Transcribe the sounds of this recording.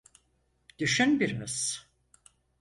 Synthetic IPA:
d̪̥yʃynbiɾimiz̥

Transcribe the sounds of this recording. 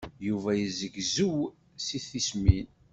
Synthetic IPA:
juvæjəzəɡzuw | siθismin

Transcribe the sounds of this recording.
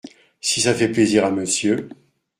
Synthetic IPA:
sisafɛpleziʁaməsjø

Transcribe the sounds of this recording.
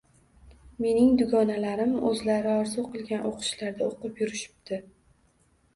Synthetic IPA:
me̞nɪŋd̪ʊɡɒnalaɾɪmɵzlaɾɪɒɾzuqɨlˠɡʲanʔoqʰɨ̥ʃlaɾd̪aoqɨpjʊɾɪʃɪ̥pd̪ɪ

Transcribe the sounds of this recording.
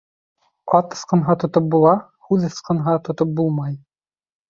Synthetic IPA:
ɑt̪ɤ̆sqɤ̆nɦɑt̪ŏt̪op̚bulˠɑ | hʉðɤ̆sqɤ̆nɦɑt̪ŏt̪op̚bulˠmɑj

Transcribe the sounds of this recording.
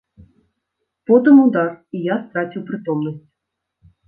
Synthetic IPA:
pot̪əmud̪ɑrijɑst̪ɾɑtʲuprʲit̪omnəsʲtʲ

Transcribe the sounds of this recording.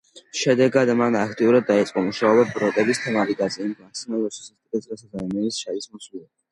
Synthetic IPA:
ʃɛd̪ɛɡad̪manakʰt̪ʼiuɾad̪ːait̪sʼqʼɔmuʃaɔbɛbɾɔt̪ʼɛbist̪ʰɛmaɾiɡ̪ʼazɛimmaksimalˠɔʃu̥sast̪ʼikʼɛzʼɾasazanɔmɛnisʃavismɔsilɛ

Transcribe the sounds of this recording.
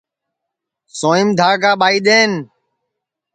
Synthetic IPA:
soːɪmd̪ʱaːɽɡaːɓaːiːɗ̪eːn

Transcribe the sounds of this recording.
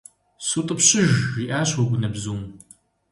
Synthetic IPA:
sutʼəpɕɪʒiːʔaːɕwɔɡʷʊnɐbzuːm

